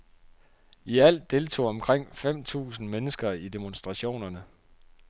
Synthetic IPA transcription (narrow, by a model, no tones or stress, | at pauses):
iæl̰d̥ːe̝lt͡sʰo̝̰ːɒ̽mkʰʁeŋ̰fem̰t͡sʰṵːsn̩menəsɡ̥ɐid̥e̝monsd̥ʁɑ̈ɕo̝̰ːnɐnə